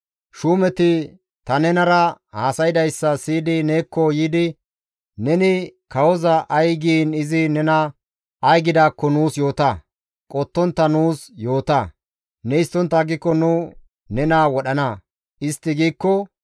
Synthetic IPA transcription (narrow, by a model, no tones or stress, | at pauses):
ʃuːmɛt̪ɪ | t̪ɐnɛnɐɾɐhaːsɐjɪd̪ɐjsːɐsiːd̪ɪneːkːɔjiːd̪ɪ | nɛnɪkɐwɔzɐʔɐjɡiːnɪzɪnɛnɐ | ɐjɡɪd̪aːkːɔnuːsjo̞ːt̪ɐ | kʼɔt̪ːɔnt̪ːɐnuːsjo̞ːt̪ɐ | nɛɪst̪ːɔnt̪ːɐɡɪkːɔnʊ | nɛnaːwɔɗɐnɐ | ɪst̪ːɪɡiːkːɔ